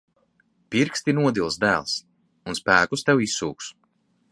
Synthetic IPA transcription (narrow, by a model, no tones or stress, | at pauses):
piɾkst̪inuɔd̪ilˠsd̪æːlˠs | unspæːkust̪ɛwisːṵːks